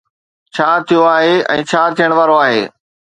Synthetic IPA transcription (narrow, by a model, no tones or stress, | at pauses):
t͡ɕʰaːt̪ʰijoaːɦeɛ̰̃ːt͡ɕʰaːt̪ʰijəɽ̃ʋaːɾoaːɦḛː